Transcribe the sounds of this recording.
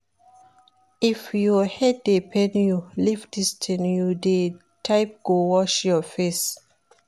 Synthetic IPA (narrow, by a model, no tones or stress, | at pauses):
ifjuhɛd̚depʰɛ̃njulifdistʰɛ̃njude | tʰaɪp̚ɡ̥owɔʃjɔfes